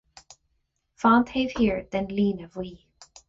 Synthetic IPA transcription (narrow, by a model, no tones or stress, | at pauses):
fɑ̃nt̪heɪv̥hiɹðɨ̃nlĩːnəvwi